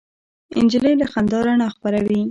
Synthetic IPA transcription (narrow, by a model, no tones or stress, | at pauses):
ɪ̰nd͡ʒɪləlaxand̪ɑɾaɳaxpaɾawi